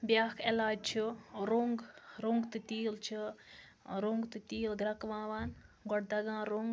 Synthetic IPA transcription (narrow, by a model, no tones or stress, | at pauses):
bjaːkʰelaːd͡ʒt͡ʃʰiɾoŋɡɾuŋɡt̪ɨt̪iːlt͡ʃʰi | ɾoŋɡt̪ɨt̪iːld̪ɾɐkʋãːʋaːnɡɔʈ̚d̪ɐɡãːɾoŋɡ